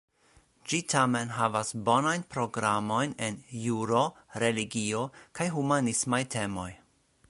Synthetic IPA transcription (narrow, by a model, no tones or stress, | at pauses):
d͡ʒitʰame̞nɦavasbo̞najnpɾo̞ɡɾamo̞jne̞njuɾo̞ɾe̞liɡio̞kajɦumanismajtʰe̞mo̞j